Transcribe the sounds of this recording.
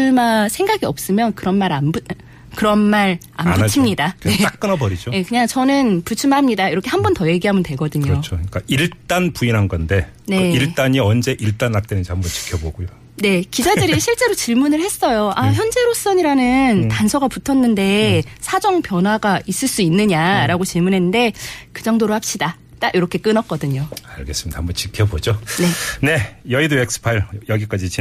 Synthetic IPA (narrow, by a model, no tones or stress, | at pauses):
masʰe̞ŋɡaɡiʌp̚s͈ɯmjʌnkɯɾʌnmaɾambu | kɯɾʌnmaɾ | a̰mbunt͡ɕʰimɲidae̞ak̚k͈ɯnabʌɾid͡ʑoje̞kɯɲaŋt͡ɕʌnɯnput͡ɕʰumamɲidaiɾʌkʰe̞ɦhambʌntʌje̞ɡiɦamɯntwe̞ɡʌdɯɲot͡ɕʰok͈aiɭt͈anpuinɦanɡʌnde̞ne̞iɭt͈aɲiʌnd͡ʑe̞ʔiɭt͈anːak̚t͈enɯnd͡ʑihambʌnt͡ɕi̥kʰjʌboɡujo | ne̞kid͡ʑadɯɾiiɕʰiɭt͡ɕ͈e̞ɾot͡ɕiɭmunɯɭhe̞s͈ʌjoʔaçjʌnd͡ʑe̞ɾos͈ʌɲiɾanɯntansʰʌɡaputʰʌnːɯnde̞sʰad͡ʑʌŋpjʌnɦwaɡaʔis͈ɯɭs͈uinːɯɲaɾaɡot͡ɕiɭmunɦennde̞kɯd͡ʑʌŋdoɾohap̚ɕ͈ida | t͈aɡiɾʌkʰe̞k͈ɯnʌk̚k͈ʌdɯɲoaɭɡe̞s͈ɯmidahambʌnt͡ɕikʰjʌbod͡ʑone̞ne̞jʌidoek̚s͈ʰɯ̥pʰaiɭjʌɡik͈ad͡ʑit͡ɕi